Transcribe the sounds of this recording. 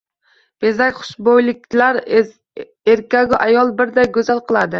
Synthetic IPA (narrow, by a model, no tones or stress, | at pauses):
b̥ezakʲχʊ̥ʃbojlɪkʲlaɾ | eɾkʲaɡʲʊʔajɒlˠbɪɾd̪ajɡɵzalˠqɨlˠad̪ɪ